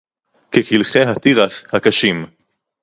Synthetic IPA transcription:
kekilχeɦat̪iʁashakaʃim

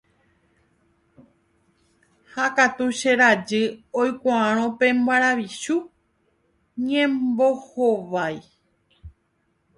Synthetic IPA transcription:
hakat̪uʃe̞ɾad͡ʒɨojkʷaãɾ̃õpẽ̞mbaɾaʋiʃu | ɲẽmbohoʋaj

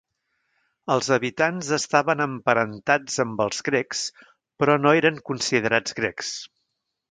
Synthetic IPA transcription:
əlˠzəβit̪anzəst̪aβənəmpəɾənt̪ad͡zəmbəlˠzɣɾɛks | pɾɔnoeɾəŋkunsið̞əɾad͡zɣɾɛks

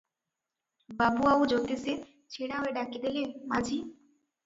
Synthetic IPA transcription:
babuaud͡ʒot̪ese | t͡ʃʰiɽaoeɖakid̪elemad͡ʒʱi

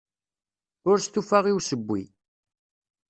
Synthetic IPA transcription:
ʊɾst̪ufaʁiwsəbʷːḭ

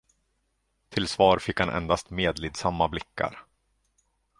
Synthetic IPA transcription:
t̪ʰɪlsvɑːɾfɪkhanʔɛ̰nd̪ast̪meːd̪liːd̪samːablɪkːa̰ɾ

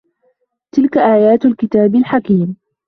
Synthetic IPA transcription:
t̪ɪlkaʔaːjaːt̪alkɪt̪aːbɪlħakiːm

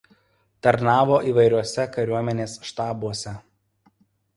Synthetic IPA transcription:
t̪ɐɾnɑːʋoːʔiːʋɐɪɾʲuɔsʲɛkɐɾʲuɔmʲɛnʲeːsʃt̪ɑːbuɔsʲɛ

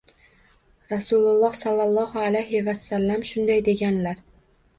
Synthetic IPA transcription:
ɾasʊlˠʊlˠːɒhsɑlːɑlˠːɒhʊalajɦɪvasːalːamʃʊnd̪ajd̪e̞ɡʲanlaɾ

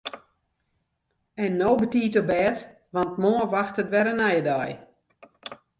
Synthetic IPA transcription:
ɛnːoːbətiːtobɛːt | ʋant̚moəʋaxtətʋɛɾənajədɔj

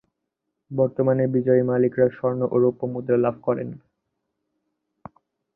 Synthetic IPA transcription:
bɔɾt̪omanebid͡ʑɔimalikɾaʃɔɾnoʔoɾopːomud̪ɾalabʱkɔɾḛn

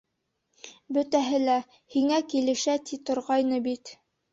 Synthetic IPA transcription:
bɵ̆t̪æɦɘlæ | hiŋækilɘ̆ʃæt̪it̪ŏɾʁɑjnɤbit̪

